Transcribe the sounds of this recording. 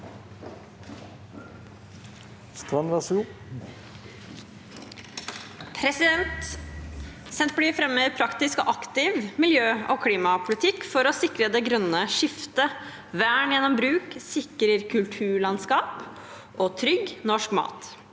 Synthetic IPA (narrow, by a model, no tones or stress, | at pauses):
st̪ɾɑnɾɑsu | pʰɾɛsɪd̪ɛnt̪ | sɛnt̪̚bliːfɾɛmːeːpʰɾɑkt̪ɪskɔ̰ːʔɑkt̪ɪʋmɪljøːoːkʰliːmɑpʰʊlɪt̪ʰɪkːfɔɾɔsɪkɾəd̪ɛɡɾœnːəʂɪft̪ə | ʋæːɳjɛnːɔmbɾʉːksɪkɾəɾkʰʉlt̪ʰʉːɭɑnskɑːp | ʔɔt̪ʰɾʏɡnɔʂkmɑ̰ːt̪